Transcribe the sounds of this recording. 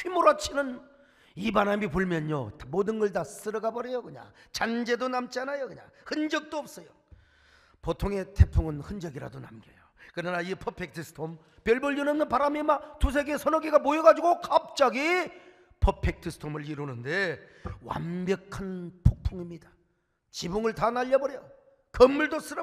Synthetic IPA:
ɕimoɾat͡ɕʰinɯn | ibanamipuɭmjʌnomodɯnɡʌɭdas͈ɯɾʌɡabʌɾejokɯɲa̰t͡ɕand͡ʑe̞donamt͡ɕianajokɯɲa̰hɯnd͡ʑʌk̚t͈oʌp̚s͈ʌjo | potʰoŋe̞tʰe̞pʰuŋɯnɯnd͡ʑʌɡiɾa̰donamɡʌ̰jokɯɾʌnaipʰʌpʰe̞k̚tʰɯsɯ̥tʰom | pjʌɭbɯɭjunʌnːɯnpaɾamimatus̬ʰeɡe̞sʰʌnʌɡeɡamojʌɡad͡ʑuɡokap̚t͡ɕ͈aɡi | pʰʌpʰe̞k̚tʰɯsʰɯ̥tʰomɯɭiɾunɯnde̞ | wa̰mbjʌkʰanpʰok̚pʰuŋimɲidḁ | t͡ɕibuŋɯɭtanaʎːʌbʌɾejʌ | kʌmːuɭdos͈ɯɾʌ

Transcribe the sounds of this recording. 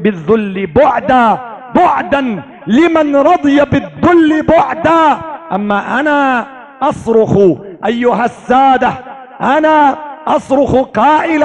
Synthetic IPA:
bɪðːʊlːɪbʊʕd̪aː | bʊʕd̪an | lɪmanɾˤɑd̪ˤɨjabɪðːʊlːɪbʊʕd̪aːʔamːaːʔanaː | ʔɑsˤɾʊxʔajːʊɦasːaːd̪a | ʔanaːʔɑsˤɾʊxqɑːʔɪl

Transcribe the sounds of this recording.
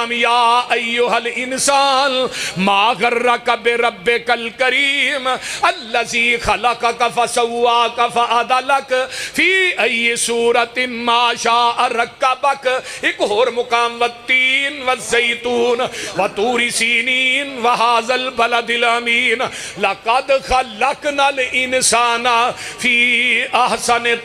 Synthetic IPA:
mjaːɐjːʊɦɐlɪnsaːnmaːɣɐɾːɐkɐbɪɾɐbːekɐlkɐɾiːmɐlːɐziːxɐlɐkɐkɐfɐsɐwːaːkɐfɐʔɐd̪ɐlɐkfiːʔɐjːɪsuːɾɐt̪ɪmaːʃaːʔɐɾɐkːɐbɐkɪkɦoːɾmʊkaːmʋɐt̪ːiːnʋɐzːejt̪uːnʋɐt̪uːɾisiːniːnʋɐɦaːzɐlbɐlɐd̪ɪlamiːn | lɐkɐd̪xɐlɐknɐlʔɪnsaːnafiːɐhsɐn

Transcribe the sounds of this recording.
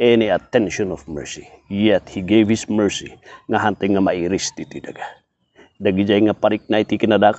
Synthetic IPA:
ɛniat̪ɛnʃɔnɔfmɛ̰ɹsijɛt̪̚hiɡevhismɛɹsḭŋaɦant̪ɛŋamaiɾist̪it̪id̪a̰ɡa | daɡid͡ʒajŋapaɾik̚nait̪ikinadak

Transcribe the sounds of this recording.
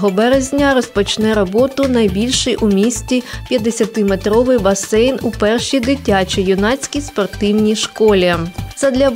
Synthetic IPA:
ɦɔbɛɾezʲnʲɐɾɔspɔt͡ʃnɛɾɔbɔt̪ʊnɐjbʲilʲʃɪjʔumʲisʲtʲipʲjɐd̪esʲɐt̪ɪmet̪ɾɔʋɪjbɐsɛjnupɛrʃid̪ɪtʲat͡ʃijʊnɑt͡sʲkʲispɔrt̪ɪwnʲiʃkɔlʲit̪sɛd̪lʲɐ

